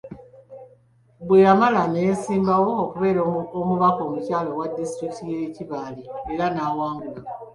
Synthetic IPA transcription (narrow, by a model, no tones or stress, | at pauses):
bwe̞jamalanesiːmbawo̞ːkuβe̞ːɾoomuβako̞mucaːlo̞wadːistɾikitijeiciβaːlieɾanaːwaːŋɡula